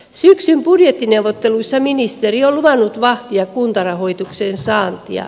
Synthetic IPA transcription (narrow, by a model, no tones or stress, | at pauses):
syksymb̥udjet̪ːinewʋot̪ːeluisːɑminist̪erioluʋɑnːut̪ʋɑht̪iɑkkunt̪ɑrɑhoit̪ukseːnsɑːnt̪ḭɑ̰